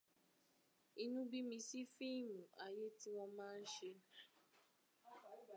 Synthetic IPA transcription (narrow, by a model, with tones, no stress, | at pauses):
i˦nũ˦bi˦mĩ˧si˦fi˦˨mũ˨ʔa˨je˦ti˦w̃ɔ̃˧mãː˦˧n̩˦ʃe˧